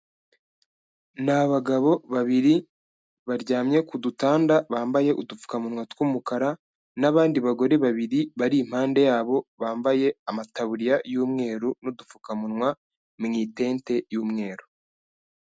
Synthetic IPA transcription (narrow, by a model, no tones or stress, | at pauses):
naβaɡaβo̞βaβiɾi | βaɾɟaːmɲe̞kudutaːndaβaːmbaje̞ʔudufu̥kamunŋwatwuːmukaɾa | naβaːndiβaɡo̞ɾe̞βaβiɾiβaɾiːm̥haːnde̞jaːβo̞βaːmbaje̞amataβuɾijajuːmŋe̞ːɾunudufukamunŋwa | mŋiːte̞ːnte̞juːmŋe̞ːɾu